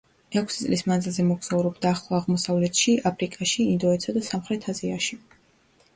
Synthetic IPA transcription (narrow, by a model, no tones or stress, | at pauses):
ɛkʷʰsit̪sʼlismanzilˠzɛmɔɡz̥auɾɔbd̪aːχlˠɔaʁmɔsavlɛt̪ʰʃiʔapʰɾikʼaʃiːnd̪ɔɛt̪sʰad̪asamχɾɛt̪ʰaziaʃi